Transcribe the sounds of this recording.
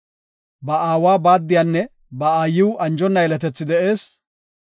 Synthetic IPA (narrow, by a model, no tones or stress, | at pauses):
bɐʔaːwaːbaːd̪ːɪjanːɛ | bɐaːjɪwʔɐnd͡ʒɔnːɐjɛlɛt̪ɛt͡sːɪd̪ɛʔe̞ːs